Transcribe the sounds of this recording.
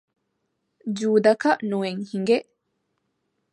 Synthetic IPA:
d͡ʒuːd̪ɐkɐʔnueŋhiŋɡeʔ

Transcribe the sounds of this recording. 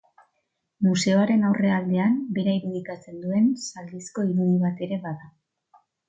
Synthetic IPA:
muse̞o̞aɾe̞nawre̞ald̪e̞ambe̞ɾaiɾuðikat͡se̞nd̪ue̞nsald̪isko̞iɾuðiβ̞at̪e̞ɾe̞βaða

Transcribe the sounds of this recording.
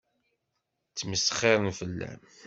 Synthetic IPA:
t͡sːməsə̥χːɪɾˤənfəlːæ̰m

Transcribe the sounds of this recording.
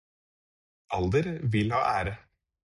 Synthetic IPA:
ʔɑld̪əɾʋɪlhɑ̰ːʔæːɾə

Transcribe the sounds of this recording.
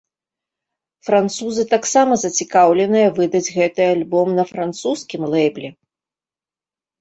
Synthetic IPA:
fɾant̪suzɨt̪aksamɐzɐt͡sʲikawlʲɛnɨjɐvɨd̪ɐd͡zʲɣɛt̪ɨjalʲbɔmnɐfɾant̪suskʲimlˠɛjblʲɛ

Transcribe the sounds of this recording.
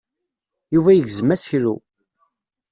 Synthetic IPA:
juvæjəʝzəmæsçɾṵ

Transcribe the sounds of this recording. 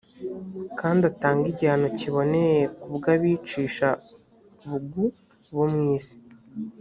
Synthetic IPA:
kaːndataːŋɡiɟaanociβo̞ne̞jekubɡaβiːt͡ʃiːʃa | βuɡu | βomŋiːsi̥

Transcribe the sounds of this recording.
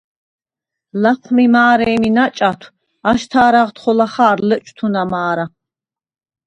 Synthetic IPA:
laχʷʰmimaːɾɛːminat͡ʃʼat̪ʰw | aʃt̪ʰaːɾaʁt̪χɔlaχaːɾlət͡ʃʼt̪ʰunamaːɾa

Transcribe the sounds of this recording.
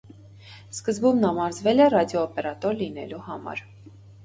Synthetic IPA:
skəzbumnɑmɑɾzvɛlɛrɑd̪jɔːpɛɾɑt̪ɔɾlinɛ̰luhɑmɑ̰ɾ

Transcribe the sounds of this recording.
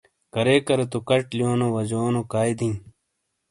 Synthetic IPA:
kɐɾekɐɾet̪okɐʈlijoːnowɐd͡ʑoːnokaːjd̪ĩː

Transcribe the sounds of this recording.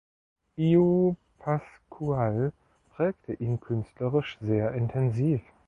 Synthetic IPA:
ʔiopʰaskʰual | pʁ̥ɛːktʰəʔiːnkʰʏnstləʁɪʃz̥eːɐʔɪntʰɛnziːf

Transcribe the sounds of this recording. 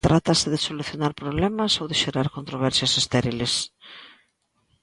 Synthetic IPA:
t̪ɾʔat̪ɐsɪðɪsoluθjonaɾpɾoβ̞lɛmɐsowðɪʃeɾaɾkont̪ɾoβ̞ɛɾsjɐsest̪eɾiles

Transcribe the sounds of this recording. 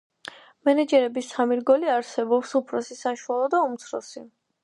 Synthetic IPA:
mɛnɛd͡ʒɛɾɛbisʰamiɾɡɔliaɾsɛbɔpsupʰɾɔsisaʃualˠɔd̪aumt̪sʰɾɔ̰si

